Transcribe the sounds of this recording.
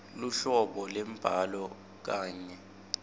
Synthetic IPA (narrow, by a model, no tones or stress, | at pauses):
luɬɔɓɔlɛmb̥ʱalɔ | k̬aːɲɛ